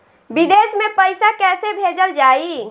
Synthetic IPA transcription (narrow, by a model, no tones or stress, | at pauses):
bid̪esmepəjsakɛsebʱed͡ʒəld͡ʒai